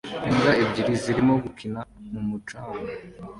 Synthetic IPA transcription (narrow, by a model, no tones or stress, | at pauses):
iŋɡaebɟiɾiziɾimoɡukinamumut͡ʃaːŋo